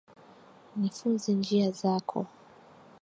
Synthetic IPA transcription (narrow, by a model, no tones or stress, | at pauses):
nifunzind͡ʒiazakʰɔ̰